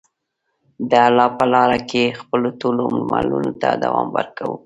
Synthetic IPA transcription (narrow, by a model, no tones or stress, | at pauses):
d̪əalɑpəlɑɾakexpəlot̪olommalunot̪ad̪awɑmbəɾkawu